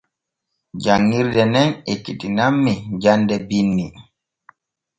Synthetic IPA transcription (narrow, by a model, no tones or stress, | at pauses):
d͡ʒaŋːiɾdɛnɛnekːiɗinamːid͡ʒandɛbinːi